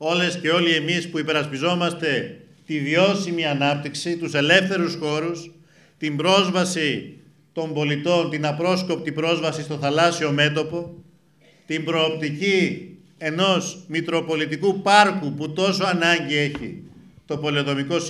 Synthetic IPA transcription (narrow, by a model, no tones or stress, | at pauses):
o̞lesce̞o̞lie̞mispuipe̞ɾɐspizo̞mɐst̪e̞ | t̪ivio̞simiɐnɐp̚t̪iksit̪use̞le̞fθe̞ɾusxo̞ɾus | t̪imbɾo̞zvɐsi | t̪o̞mbo̞lit̪o̞nt̪inɐpɾo̞sko̞p̚t̪ibɾo̞zvɐsist̪o̞θɐlɐsio̞me̞t̪o̞po̞ | t̪imbɾo̞ːp̚t̪ici | e̞no̞smik̪ɾo̞po̞lit̪ikupɐɾkuput̪o̞so̞ɐnɐɲɟie̞çḭt̪o̞po̞lioðo̞miko̞s